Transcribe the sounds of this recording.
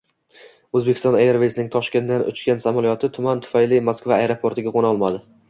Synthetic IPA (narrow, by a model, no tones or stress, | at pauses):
ɵzbekʲɪ̥st̪ɒnejɾvesnɪŋt̪ʰɒʃkʲe̞nd̪anʔʊ̰t͡ʃkʲansamalijɒt̪ʰɪt̪ʰʊmant̪ʰʊ̥fajlɪmaskvaːjɾopʰoɾt̪ʰɪɡʲaqʰonɒlˠmad̪ɪ